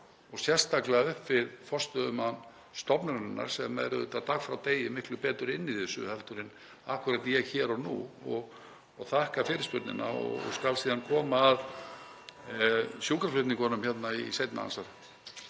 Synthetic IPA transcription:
ɔɣsjɛr̥st̪aklɛɣaʏhpvɪɾfɔr̥st̪œðʏman | st̪ɔpnʏɾɾɛnːa̰ɾ̥sɛmɛɾʏʏt̪at̪ʰaxfɾawt̪eːjɪmɪhklʏpɛːt̪ʏɾɪnːiðθɪsʏ̰hɛlt̪ʏɾɪn | ahkʏɾat̪jɛɣçɛːɾɔnṵɔɣ | ɔɣθahkafɪɾɪspʏt̪nɪ̰na̰ɔ̰ɣɔ̰ɣskalsiːðankʰɔːmaːð | sjuːkaɾflʏt̪nɪŋkɔnʏmçɛt̪naisejt̪na̰a̰nsaɾ

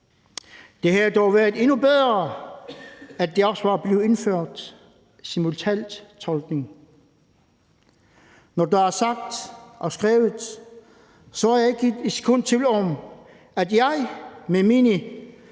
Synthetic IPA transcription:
d̥e̝hæd̥ɒʊʋæɐð̩ˠe̝nub̥eð̞ˠʁɐ | æd̥e̝ɒ̽sʋɑ̈b̥leːʊe̝nføɐ̰d̥ | simult͡sʰænd̥t͡sʰɒ̽lɡ̥ne̝ŋ | nɒd̥ɑæɐsɑ̈ɡ̥̚d̥ʔɒ̽sɡ̥ʁɛ̰ːʊð̩ˠ | sɒjɑ̈e̝ɡ̥iskʰɔn̰t͡sʰe̝lɒm | æd̥jɑ̈ɪmemini

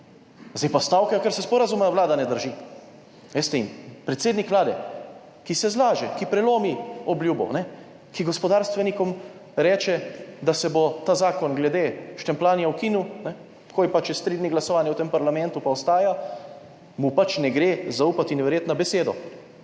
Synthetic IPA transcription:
zd̪ejpast̪aːwkajokɛɾsɛspɔɾazumɛʋlaːd̪anɛd̪əɾʒi | ɛst̪ɛimpɾɛt̪seːd̪nikʋlaːd̪ɛ | kisɛzlaːʒɛkipɾɛloːmiɔbljuːbɔ̰nɛ | kiɡɔspɔd̪aːɾst̪ʋɛnikɔmɾɛːt͡ʃɛd̪asɛbot̪aːzaːkɔnɡlɛd̪eːʃt̪ɛmplaːnijawkinuwnɛ | kʰoːjpat͡ʃist̪ɾid̪niɡlasɔʋaːnjɛwt̪eːmpaɾlamɛ̃nt̪upaɔst̪aːja | mupat͡ʃnɛɡɾezaupat̪inʋɛɾjeːt̪nabɛseːd̪ɔ

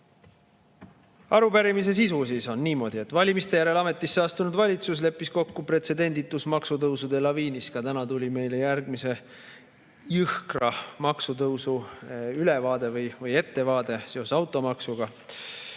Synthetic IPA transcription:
ɑɾupæɾimise̞s̬isusiso̞nːiːmo̞d̪̥ie̞t̪ːˑvɑlʲimist̪e̞jæɾe̞lɑme̞t̪ːˑisːeɑst̪unud̪vɑlʲit̪sus̬le̞pːisko̞kːupret̪se̞d̪e̞nd̪it̪ːˑusmɑksut̪ɤwsud̪e̞lɑviːniskɑt̪ænɑt̪ulʲime̞jlejærɡ̚mise̞ | jɯhkrɑmɑksut̪ɤwsuylevɑːd̪̥e̞vɤjvɤje̞t̪ːe̞vɑːd̪̥e̞seo̞sɑwt̪ːˑo̞mɑksuɡ̥ɑ

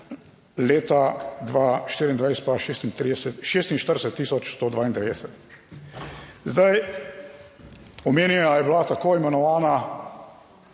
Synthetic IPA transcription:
leːt̪ad̪ʋaːʃt̪iːɾind̪ʋaɪjsɛ̥t̪̚paʃeːst̪int̪ɾiɛsɛt̪ʃeːst̪inʃt̪əɾd̪ɛsɛt̪ːiːsɔt͡ʃst̪oːd̪ʋaːind̪ɛʋed̪ɛsɛt̪ | zd̪aj | ɔmeːnjɛjajɛbilat̪akoɛmɛnɔʋaːna

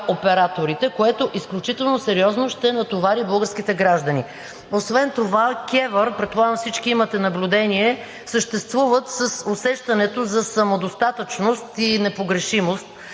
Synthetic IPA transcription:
opɛɾat̪oɾit̪ɛkoɛt̪oʔisklʲut͡ʃit̪ɛlˠnosɛɾiɔznoʃt̪ɛnɐt̪ovaɾibɤlˠɡəɾsk̟it̪ɛɡɾaʒd̪ɐni | osvɛnt̪ovakʲɛvəɾpɾɛt̪pːlˠaɡəmfsit͡ʃkiimɐt̪ɛnɐblʲud̪ɛniɛ | səʃt̪ɛst̪vuvət̪səsosɛʃt̪ɐnɛt̪ozɐsɐmod̪ost̪at̪ət͡ʃnost̪inɛpoɡɾɛʃimost̪̚

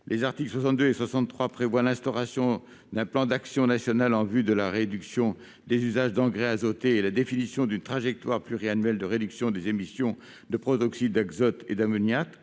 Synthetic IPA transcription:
lʔezaʁt̪iklswasɑ̃t̪̚d̪øeswasɑ̃t̪ːχwapχevwalɛ̃st̪ɔʁasjɔ̃ | d̪ɛ̃plɑ̃d̪aksjɔ̃nasjɔnalɑ̃vyd̪əlaʁed̪yksjɔ̃ | d̪ezyzaʒd̪ɑ̃ɡʁɛazot̪eːlad̪efinisjɔ̃d̪ynt̪χaʒɛk̚t̪waʁplyʁianɥɛld̪əʁed̪yksjɔ̃d̪ezemisjɔ̃ | d̪əpχɔt̪ɔksiːaɡzɔt̪ḛd̪amɔnjat̪

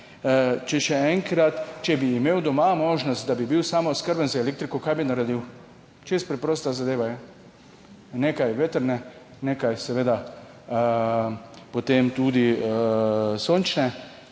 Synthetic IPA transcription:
t͡ʃɛʃɛɛŋkɾat̪t͡ʃɛbiːmeːwd̪ɔmamoːʒnɔst̪̚d̪abibiwsaːmoskəɾbənzaelek̚t̪ɾikokajbinaɾɛd̪iw | t͡ʃest̪̚pɾɛpɾoːst̪azad̪eːʋajɛ | neːkajʋet̪əɾnɛ | nekajsɛʋeːd̪a | pot̪emt̪ud̪iəsoːnt͡ʃnɛ

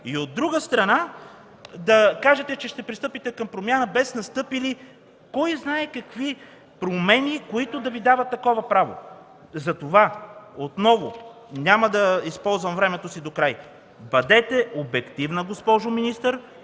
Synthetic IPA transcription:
iod̪ːɾuɡəst̪ɾɐna | d̪ɐkaʒɛt̪ɛt͡ʃɛʃt̪ɛpɾist̪ɤpit̪ɛkɐmpɾomʲjanəbɛsnɐst̪ɤpili | kɔjznaɛkɐkvi | pɾomɛnikoit̪ʊd̪ɐvid̪avɐt̪ːɐkɔvɐpɾavo̰ | zɐt̪ovaot̪nɔvo | nʲaməd̪ɐispɔlˠzvɐmvɾɛmɛt̪osid̪okɾaj | bɐd̪ɛt̪ɛobɛkt̪ivnəɡospɔʒʊminist̪əɾ

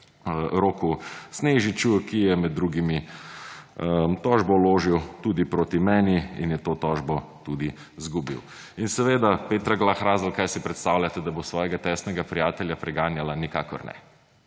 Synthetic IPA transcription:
ɾoːkusneːʒit͡ʃukijɛmɛd̪ːɾuːɡimi | t̪ɔʒbɔloːʒiwt̪uːd̪ipɾoːt̪imɛːniḭnjɛt̪oːt̪ɔːʒbɔt̪ud̪i | zɡubḭw | insɛʋeːd̪apeːt̪ɾaɡlaxɾaːzɔlkajsipɾɛt̪st̪awlʲat̪ɛd̪abosʋɔːjɛɡat̪ɛːsnɛɡapɾijaːt̪ɛljapɾɛɡaːnjalanika̰ːkɔɾnɛ̰

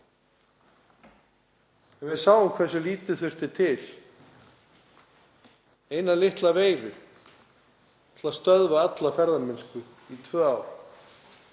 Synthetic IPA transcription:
ɛnvɪðsaːwʏmkʰvɛs̬ʏliːt̪ʏθʏr̥t̪ɪt̪ʰɪl | eːjnalɪht̪laveːjɾʏ | t̪ʰɪlaðst̪œðvaat̪lafɛɾðamɪnskʏ | it̪ʰvœːaːwɾ

